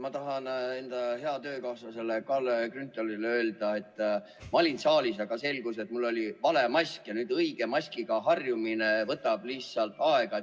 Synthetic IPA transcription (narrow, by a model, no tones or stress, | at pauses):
mɑt̪ɑɦɑne̞nd̪̥ɑhe̞ɑt̪ø̞ːkɑwsɑse̞lːekɑlekrynt̪ːˑolileø̞ːld̪̥ɑe̞t̪ːˑ | mɑlʲinsɑːlʲisɑɡ̥ɑse̞lɡuse̞t̪mulːo̞lʲivɑle̞mɑsʲkjɑnyːd̪ɤiɡ̥e̞mɑsʲkiɡ̥ɑɦɑrjumine̞vɤt̪ːˑɑb̥lit̪sɑlt̪ˑɑe̞ɡ̥ɑ